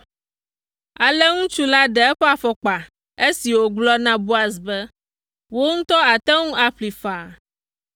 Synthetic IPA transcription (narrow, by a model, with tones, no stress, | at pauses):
a˨le˦ŋũ˦t͡ʃu˦la˦ɖɛ˨ɛ˦ɸɛ˦a˨fɔ˨k͡pa˨ | e˦si˨wo˨ɡ͡blɔ˦nã˦bu˦a˨s̬bɛ˦ | wo˦ŋũ˦t̪ɔ˦a˨t̪ɛ˦ŋũ˦a˨ɸli˨fa˨